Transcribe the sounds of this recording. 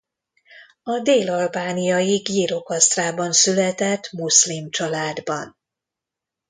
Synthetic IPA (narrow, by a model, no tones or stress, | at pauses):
ɒd̪eːlɒlbaːnijɒjiɡiːɾo̞kɒst̪raːbɒnsylɛt̪ɛt̪muslimt͡ʃɒlaːd̪bɒn